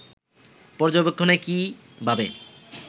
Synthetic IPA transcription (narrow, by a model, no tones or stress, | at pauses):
pɔɾd͡ʑobekʰːoneki | bʱabe